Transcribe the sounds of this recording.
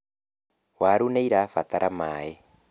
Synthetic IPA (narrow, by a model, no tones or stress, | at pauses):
waːɾuneiɾafat̪aɾʔamaːjɛ